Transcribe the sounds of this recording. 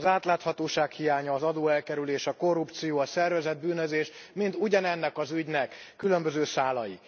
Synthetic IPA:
zaːt̪laːt̪hɒt̪oːʃaːkhijaːɲɒːzɒd̪oːɛlkɛɾyleːʃɒko̞rupt̪sijoːɒsɛrvɛzɛd̪̚byːnøzeːʃmint̪uɟɒnɛnːɛkɒzyɟnɛkː | ylø̞mbøzøːsaːlɒjḭ

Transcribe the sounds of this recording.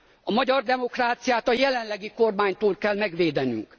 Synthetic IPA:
ɒmɒɟɒrd̪ɛmo̞kraːt̪sijaːt̪ɒjɛlɛnlɛɡiko̞rmaːɲt̪oːlkɛlmɛɡʋeːd̪ɛny̰ŋk

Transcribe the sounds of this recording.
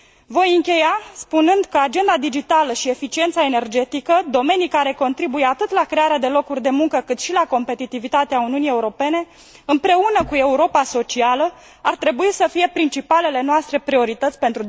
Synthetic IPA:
vo̞jɨŋkʲe̞jaspunɨnd̪kəad͡ʒe̞nd̪ad̪id͡ʒit̪aləʃie̞fit͡ʃient̪sae̞ne̞rd͡ʒe̞t̪ikəd̪o̞me̞nijkaɾe̞ko̞nt̪ɾibujeat̪ɨt̪lakɾe̞aɾead̪e̞lo̞kurʲd̪e̞muŋkəkɨt̪ʃilako̞mpe̞t̪it̪ivit̪at̪eauniunieuɾo̞pe̞ne̞ | ɨmpɾe̞unəkue̞uɾo̞paso̞t͡ʃialə | art̪ɾe̞buisəfije̞pɾint͡ʃipale̞le̞noast̪ɾe̞pɾio̞ɾit̪ət̪sʲpe̞nt̪ɾu

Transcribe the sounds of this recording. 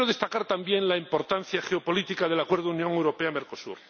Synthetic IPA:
ɾoðe̞st̪akaɾt̪ambje̞ŋlaimpo̞ɾt̪an̟θjaxeopo̞lit̪ikaðe̞lakwe̞ɾðounjo̞ŋewɾo̞peameɾko̞sṵɾ

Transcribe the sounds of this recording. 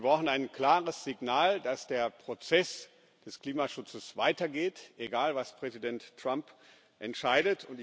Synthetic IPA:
viɐbʁaʊxn̩aɪnkl̥aːʁəsz̥ɪɡnaːldasd̥eːɐpʁ̥ot͡sɛs | d̥ɛskl̥iːmaʃʊt͡səsv̥aɪtɐɡeːtʔeɡaːlvaspʁ̥ɛzidɛntːʁ̥amp | ʔɛntʃaɪdətʰʊntɪ

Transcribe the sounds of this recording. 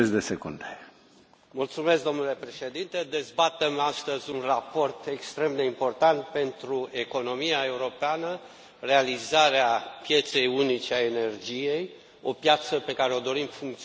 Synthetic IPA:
esd̪esekund̪e | mult̪sume̞sk̚d̪o̞mnule̞pɾe̞ʃe̞d̪int̪ed̪e̞zbat̪emast̪əzʲunrapo̞rt̪e̞kst̪ɾe̞md̪e̞impo̞rt̪ant̪̚pe̞nt̪ɾue̞ko̞no̞miae̞uɾo̞peanə | re̞alizaɾeapje̞t̪se̞junit͡ʃeaene̞rd͡ʒije̞j | o̞pjat̪səpe̞kaɾe̞o̞d̪o̞ɾimfuŋk̚t̪s

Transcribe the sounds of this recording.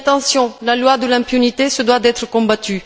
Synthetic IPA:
t̪ɑ̃sjɔ̃lalwad̪əlɛ̃pynit̪esəd̪wad̪ɛt̪χəkɔ̃bat̪y

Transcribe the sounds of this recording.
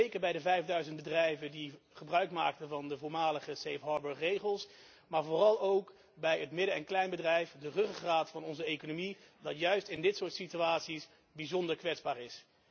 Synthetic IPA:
ejkəɹbɛjdəvɛjvdœɥzənt̚bədrɛjvədiχəbrœɥkma̰ːk̚təvɑndəvʊːɹmaːləχəsejfɦɑːɹbəɹːejχəlˠs | maːɹvʊːrɑlˠowk | bɛjɦətmɪdəɛnklɛjnbədrɛjfdərɵχraːtfɑnɔnzəejkonomi | dɑtjœɥstɪndɪtsʊːɹtsityaːtsis | bizɔndəɹkʋɛtzbaːɹɪs

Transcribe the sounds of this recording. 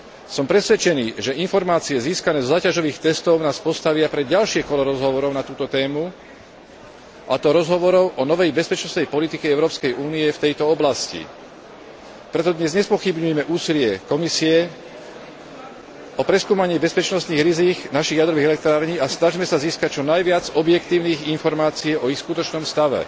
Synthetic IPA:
sɔmpɾɛsʋɛt͡ʃɛniːʒɛʔinfɔɾmaːt͡siɛziːskanɛːzɔzaːcaʒɔʋiːxt̪ɛst̪ɔʊnaːspɔst̪aʋɪapɾɛɟalʃɪɛkɔlɔɾɔzɦɔʋɔɾɔʊnat̪uːt̪ɔt̪ɛːmu | ʔat̪ɔɾɔzɦɔʋɔɾɔʊʔɔnɔʋɛjbɛspɛt͡ʃnɔst̪nɛjpɔlit̪ikɛɛʊɾɔːpskɛjuːniɛft̪ɛjt̪ɔɔblascḭ | pɾɛt̪ɔd̪ɲɛzɲɛspɔxibɲujɛmɛʔuːsilɪɛkɔmisiɛ | ɔpɾɛskuːmaɲɪɛbɛspɛt͡ʃnɔst̪niːɣɾiziːɡnaʃiɣjad̪ɾɔʋiːɣɛlɛk̚t̪ɾaːɾɲiːasnaʒimɛsaziːskac̚t͡ʃɔnajʋɪad͡zɔbjɛkt̪iːʊniːɣinfɔɾmaːt͡siɛʔɔixskut̪ɔt͡ʃnɔmst̪aʋɛ̰

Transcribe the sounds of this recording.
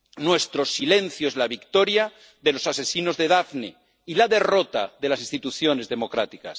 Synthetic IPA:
nwe̞st̪ɾo̞sile̞n̟θjoezlaβikt̪o̞ɾja | ðe̞lo̞sase̞sino̞zðe̞ðafnḛ | ilaðe̞ro̞t̪a̰ðe̞lasinst̪it̪uθjo̞ne̞zðemo̞kɾat̪ika̰s

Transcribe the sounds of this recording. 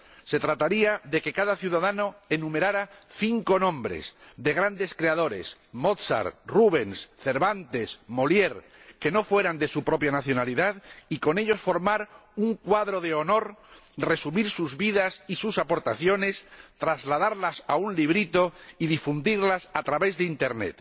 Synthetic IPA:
se̞t̪ɾat̪aɾiaðe̞ke̞kaðaθjuðaðano̞e̞nume̞ɾaɾaθiŋko̞nõ̞mbɾe̞̰sðe̞ɣ̞ɾand̪e̞skɾe̞aðo̞ɾe̞̰s | mo̞t̪sa̰ɾruβ̞e̞nsθe̞ɾβant̪e̞smo̞lje̞ɾ | ke̞no̞fwe̞ɾand̪e̞supɾo̞pjanaθjo̞naliðaðiko̞ne̞ʎo̞sfo̞ɾmaɾuŋkwaðɾoðeo̞no̞ɾre̞sumiɾsuzβiðasisusapo̞ɾt̪aθjo̞ne̞st̪ɾazlað̞aɾlasa̰unliβɾit̪o̞iðifund̪iɾlasat̪ɾaβe̞zðeint̪e̞ɾnḛt̪

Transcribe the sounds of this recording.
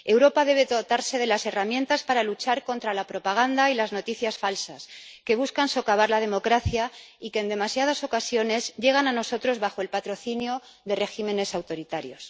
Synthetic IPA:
e̞wɾo̞paðe̞β̞e̞ðot̪aɾse̞ð̞e̞lase̞ramje̞nt̪aspaɾalut͡ʃaɾko̞nt̪ɾalapɾo̞paɣ̞and̪ailazno̞t̪iθjasfalsaske̞β̞uskanso̞kaβ̞aɾlað̞e̞mo̞kɾaθjaike̞ːnd̪e̞masjaðaso̞kasjo̞ne̞zʝe̞ɣ̞anano̞so̞t̪ɾo̞zβaxo̞elpat̪ɾo̞θinjo̞ | ðe̞re̞xime̞ne̞sawt̪o̞ɾit̪aɾjo̞s

